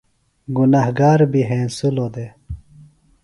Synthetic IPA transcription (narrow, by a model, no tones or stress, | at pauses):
ɡunaɦɡaːɾbiɦẽːnsuloːd̪e